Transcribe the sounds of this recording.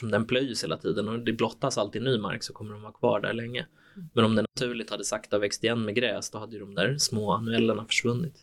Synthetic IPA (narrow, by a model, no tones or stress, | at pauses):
ɔmd̪ɛnpʰlœjːsheːla̰t̪ʰiːd̪ənɔd̪ɛblɔt̪ːasalt̪ɪnyːma̰ɾksɔkʰɔmːəɖɔmvɑːkʰvɑ̰ːɖæ̰ɾɭɛŋːə | mɛnɔmd̪ɛnat̪ʰʉ̟ːɭɪkt̪had̪ːəsakt̪avɛkst̪ɪjɛnːmɛɡɾɛːsd̪ɔhad̪ːəjɵd̪ɔmd̪æɾsmoːanɵɛlːəɳafœ̥ʂvɵnːɪt̪